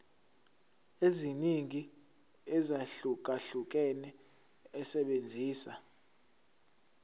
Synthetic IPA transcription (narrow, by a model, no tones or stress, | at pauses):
eziniŋi | ɛzaɬuk̬ʼaɬuk̬ʼɛnɛ | ɛsɛɓend͡zʱiːsa